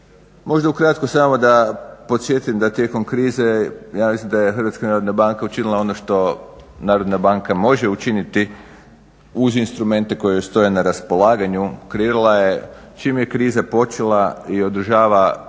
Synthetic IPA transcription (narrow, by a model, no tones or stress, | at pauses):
mo̞ʒd̪aukɾat̪kosamo̞d̪apo̞t̪sʲje̞t̪uiemd̪at̪je̞ko̞mkɾiːze̞jaːmislimd̪ajexəɾʋat̪skanaːɾo̞d̪nabaŋkaut͡ʃinilˠao̞no̞ʃt̪o̞naːɾo̞d̪nabaŋkamo̞ʒe̞ut͡ʃinit̪i | uzinst̪ɾume̞nt̪e̞ko̞jeost̪o̞jenaɾaspo̞lˠaːɡaɲukɾeiːɾulˠaje̞ | t͡ʃiːmje̞kɾiːzapo̞t͡ʃelˠaio̞d̪ɾ̩ʒaːʋa